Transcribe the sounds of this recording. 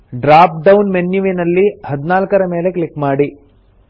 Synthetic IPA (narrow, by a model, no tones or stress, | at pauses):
ɖɾaːp̚ɖɐwunmenjuʋenɐlːihɐd̪inaːlkɐɾɐmeːle̞kɭikmaːɽi